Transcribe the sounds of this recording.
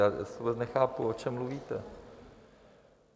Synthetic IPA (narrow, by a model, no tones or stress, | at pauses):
aːsubɛt͡snɛxaːpuot͡ʃɛmːluviːt̪ɛ